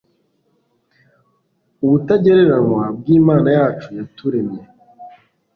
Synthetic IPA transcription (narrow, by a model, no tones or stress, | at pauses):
uβutaɟeɾeɾanwab̚ɡiːmaːnajaːt͡ʃujatuɾe̞mje